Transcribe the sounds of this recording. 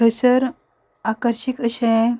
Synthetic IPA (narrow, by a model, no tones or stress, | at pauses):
əsəɾ | akəɾɕikəɕɛ̃